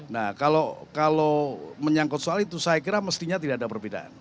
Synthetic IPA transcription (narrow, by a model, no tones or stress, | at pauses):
nahkalokaloməɲaŋkɔt̪̚soalit̪usajakiɾaməst̪iɲat̪̬idaadapərbida̰ʔa̰n